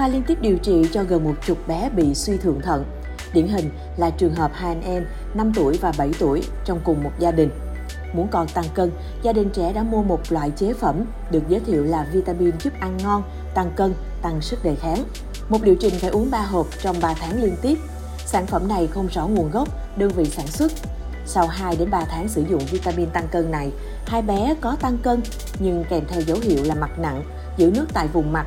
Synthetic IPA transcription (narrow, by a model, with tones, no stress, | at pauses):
faː˧jli˧ənt̪i˦˥p̚ɗi˨˩əwt͡ɕḭ˧˨t͡ɕɔ˧ɣə˨˩nmo˨˩t̚t͡ɕʊ˨˩k͡p̚ɓɛ˨˦ɓḭ˧˨swi˧t̪ʰɨ̰˧˨əŋt̪ʰə̰˧˨n | ɗḭ˧˩ənɦï˨˩ŋ̟ | laː˨˩t͡ɕɨ˨˩əŋɦəː˨˩p̚haː˧˨˩nʔɛ˧m | na˧mt̪u˧˩əjvaː˨˩ɓə˧˩jt̪u˧˩əj | t͡ɕɔ˧wŋ͡mkʊ˨˩ŋ͡mmo˨˩t̚zaː˧ɗï˨˩ŋ̟ | mu˨˦ənkɔ˨˩nt̪a˧ŋkə˧n | zaː˧ɗï˨˩ŋ̟t͡ɕɛ̰˧˩ɗa̰ː˧˥mu˧əmo˨˩t̚lwa̰ː˧˨jt͡ɕe˨˦fə˧˩m | ɗɨ˨˩ək̚zəː˨˦jt̪ʰḭ˧˨wlaː˨˩vi˧t̪aː˧mi˧nzɨ˦˥p̚ʔa˧nːɔ˧n | t̪a˧ŋkə˧n | t̪a˧ŋsɨ˦˥k̚ɗə˨˩jxaː˨˦ŋ | mo˨˩t̚ɗḭ˧˨wt͡ɕï˨˩ŋ̟faː˧˩jʔu˨˦əŋɓaː˧ɦəː˨˩p̚t͡ɕɔ˧wŋ͡mɓaː˧t̪ʰaː˨˦ŋli˧ənt̪i˦˥əp̚ | saː˧˩nfə˧˩mna˨˩jxə˧wŋ͡mzɔ˧˩ŋu˨˩ənɣə˦˥p̚ | ɗəː˧ŋvḭ˧˨saː˧˩nswə˦˥t̚ | sa˧wɦaː˧jɗe˨˦nɓaː˧t̪ʰaː˨˦ŋsɨ˧˩zʊ̰˧˨ŋ͡mvi˧t̪aː˧mi˧nt̪a˧ŋkəː˧nːa˨˩j | haː˧jɓɛ˨˦kɔ˨˦t̪a˧ŋkə˧n | ɲɨ˧ŋkɛ˨˩mt̪ʰɛ˧wzə˨˦wɦḭ˧˨əwlaː˨˩ma˨˩t̚na̰˧˨ŋ | zɨ̰˧˥˩nɨ˦˥ək̚t̪a̰ː˧˨jvʊ˨˩ŋ͡mma˨˩t̚